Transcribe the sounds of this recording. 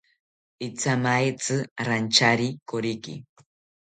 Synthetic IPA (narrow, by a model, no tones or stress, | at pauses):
it͡samaet͡sɨɾant͡ʃaɾikoɾikḭ